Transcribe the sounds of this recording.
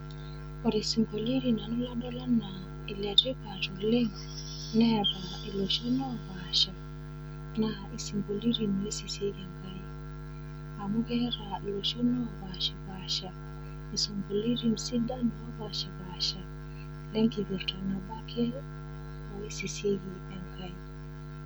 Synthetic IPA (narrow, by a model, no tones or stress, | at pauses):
ɔɾesiŋkoliɾinanɔladɔlana | ilɛɾikatɔlɛŋ | nɛɾa | iloʃɔnɔbaʃa | na | isiŋɡoliɾinɔisiseɾiŋɡaji | amukɛɾailoʃɔnɔbaʃabaʃa | isɔmboliɾimsidanɔbaʃabaʃa | lɛŋkiviɾtɔnɔbakʰɛ | ɔisiseɡi | ɛŋkaji